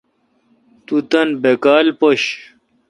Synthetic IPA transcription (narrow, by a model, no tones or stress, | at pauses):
t̪ut̪ɐnbekaːlpoɕ